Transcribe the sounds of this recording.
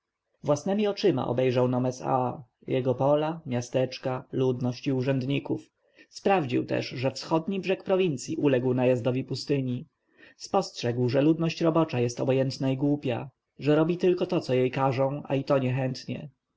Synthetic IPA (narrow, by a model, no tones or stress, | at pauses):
vwasnɛmʲiɔt͡ʂɘma̰ʔɔ̰bɛjʐawnɔmɛsa̰ | jɛɡɔpɔlamʲjast̪ɛt͡ʂkalud̪nɔɕt͡ɕiuʐɛnd̪ɲikuf | spɾavd͡ʑḭwt̪ɛ̰ʂʐɛfsxɔd̪ɲibʐɛkpɾɔvʲint̪sʲjiʔulɛɡwnajazd̪ɔvʲipust̪ɘɲi | spɔstʂɛɡwʐɛlud̪nɔɕt͡ɕɾɔbɔt͡ʂajɛst̪ɔbɔjɛnt̪naiɡwupʲja̰ | ʐɛɾɔbʲit̪ɘlkɔt̪ɔt̪sɔjejkaʐɔ̃w̃a̰it̪ɔɲɛxɛnt̪ɲɛ̰